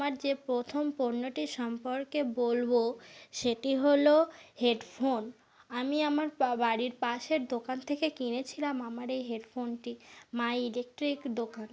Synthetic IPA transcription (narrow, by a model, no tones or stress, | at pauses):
maɾd͡ʑepɾot̪ʰompoɾnoʈiʃɔmpoɾkebolboʃeʈiɦoloheɖfʰon | amiamaɾbaɽiɾpaʃeɾd̪okant̪ʰekekinet͡ɕʰilamamaɾejɦeɖfʰonʈimajilek̚ʈɾikd̪okan